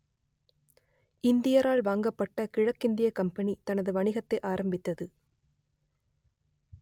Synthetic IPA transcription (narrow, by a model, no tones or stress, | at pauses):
ʔɪnd̪ɪjɐɾaːɭʋaːŋɡɐpːɐʈːɐkɪɻɐkːɪnd̪ɪjɐkɐmpɐnit̪ɐnɐðɯʋɐɳɪɣɐt̪ːɐɪʔaːɾɐmbɪt̪ːɐðɯ